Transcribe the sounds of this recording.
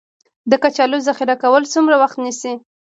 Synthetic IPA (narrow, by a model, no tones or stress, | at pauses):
d̪əkat͡ʃalozaxɪɾakawəlsumɾawaxt̪nisi